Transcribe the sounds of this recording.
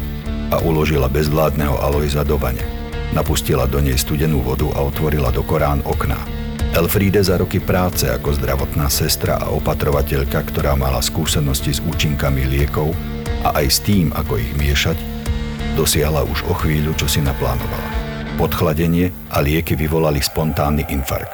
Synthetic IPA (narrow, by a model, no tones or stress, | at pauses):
aʔulɔʒilabɛzʋlaːd̪nɛɦɔ̰ʔalɔjzad̪ɔʋa̰ɲɛ̰ | napuscilad̪ɔɲɛjst̪uɟɛnuːʋɔd̪uʔa̰ɔt̪ʋɔɾila̰d̪ɔkɔɾaːnɔkna̰ | ʔɛlfɾiːd̪ɛzaɾɔkipɾaːt͡sɛa̰kɔzd̪ɾaʋɔt̪naːsɛst̪ɾa̰ʔa̰ʔɔpat̪ɾɔʋacɛʎkakt̪ɔɾaːmalaskuːsɛnɔscizuːt͡ʃiŋkamilɪɛkɔʊ | ʔa̰ʔajst̪iːma̰kɔḭɣmɪɛʃac | d̪ɔsɪaɦlaʔuʒɔxʋiːʎut͡ʃɔsinapla̰ːnɔ̰ʋa̰la̰ | pɔt̪xlaɟɛɲɪɛ | ʔalɪɛkiʋiʋɔlalispɔnt̪aːnːiʔinfa̰ɾkt̪